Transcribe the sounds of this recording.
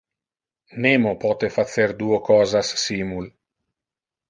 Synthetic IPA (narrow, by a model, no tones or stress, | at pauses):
nemopɔt̪efat̪seɾd̪uːokʰɔːzasːimul